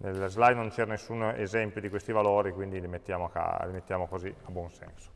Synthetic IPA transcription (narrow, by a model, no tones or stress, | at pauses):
nelzlajnont͡ʃɛnesːunḛzɛmpjod̪ikwest̪ivaloːɾikwind̪ilimet̪ːjaːmoaka̰limet̪ːjaːmokoziabwɔnsɛ̰nso̥